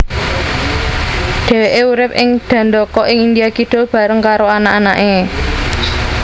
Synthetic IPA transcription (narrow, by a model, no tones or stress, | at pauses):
ɖ̪̥e̤weʔeuɾɪp̚ʔɪŋd̪̥ä̤nd̪ɔkɔʔɪŋind̪ijakid̪̥o̤b̥ä̤ɾəŋkaɾoanaʔanaʔe